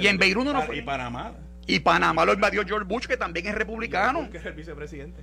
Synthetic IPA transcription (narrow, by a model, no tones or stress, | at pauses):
iembejɾunonofana̰ma | ipanãmaloimbaðjod͡ʒoɾbut͡ʃke̞t̪ambjeŋesrepuβlikanokeelbisepɾesiðene